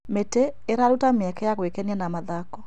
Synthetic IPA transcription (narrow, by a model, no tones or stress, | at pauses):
meteːɾaɾutameɛkɛjaɣwekɛnianamaðakɔ